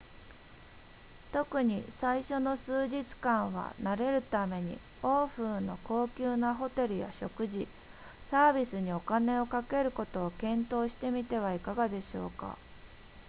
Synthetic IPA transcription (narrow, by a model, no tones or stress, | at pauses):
t̪o̞kɯ̟ɲ̟isaiɕo̞no̞sɨːʑit͡sɨ̥kãɰ̃β̞a̰naɾe̞ɾɯ̟t̪ame̞ɲ̟ḭ | o̞ːɸɯːno̞ko̞ːkʲɨːnaɦo̞t̪e̞ɾɯ̟ja̰ɕo̞kɯ̟ʑi | saːbʲisɨɲ̟io̞kane̞o̞kake̞ɾɯ̟ko̞t̪o̞ːkẽ̞nt̪o̞ːɕi̥t̪e̞mʲit̪e̞β̞aikaɡad̪e̞ɕo̞̰ːka̰